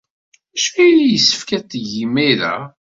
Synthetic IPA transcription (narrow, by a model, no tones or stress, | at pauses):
æʃæjlijəsːə̥fkæt̪ːʝimːiɾæ̰